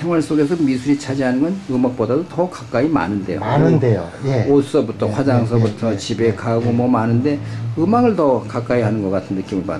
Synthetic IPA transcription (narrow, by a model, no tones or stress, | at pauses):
sʰe̞ŋwaɭs͈oɡe̞s̬ʰʌmisʰuɾit͡ɕʰad͡ʑiɦanɯŋɡʌnɯmak̚p͈odadotʌkak͈aima̰nɯnde̞joanɯndejojeos͈ʌbutʰʌɸwad͡ʑaŋs̬ʰʌbutʰʌt͡ɕibe̞kaɡomʌmanɯnde̞ɯmaɡɯɭtʌkak͈aihanɯnɡʌk͈atʰɯnnɯk͈imɯɭpa̰